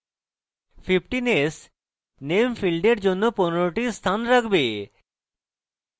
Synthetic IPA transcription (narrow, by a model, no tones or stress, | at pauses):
fʰipʈines | nemfilɖeɾd͡ʑonːoponoɾoʈist̪ʰanɾakʰbe